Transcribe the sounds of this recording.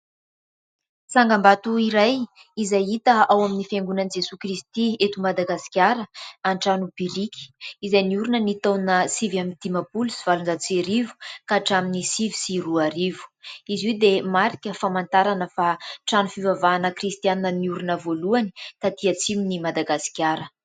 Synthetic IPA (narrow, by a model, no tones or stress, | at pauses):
t͡saŋɡambat̪uiɾaj | izajit̪əawaminifeŋɡunənid͡zesukrist̪iet̪umad̪aɡasi̥kʲaɾəanʈ͡ʂanupiɾikʲi̥izajniuɾunənit̪onəsivamint̪imapulusiv̥alunzat͡seɾivu̥kaʈ͡ʂaminisivisiruaɾivu̥iziwd̪emaɾikʲəfamant̪aɾanəfaʈ͡ʂanufivavaːnəkrist̪ianinəniuɾunəvoluanit̪at̪iat͡siminimad̪aɡasi̥kʲjaɾə